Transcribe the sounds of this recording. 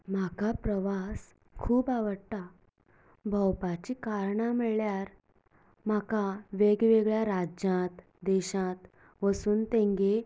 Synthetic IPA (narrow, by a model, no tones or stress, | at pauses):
m̤akapɾəʋas | kʰuːbaʋəɽt̪a | bʱəwpat͡ɕikaɾɳaməɭjaɾ | m̤akaʋeɡʋeɡɭjaɾad͡ʑjãt̪ | d̪eɕãt̪ | ʋəsuːnt̪ẽŋɡe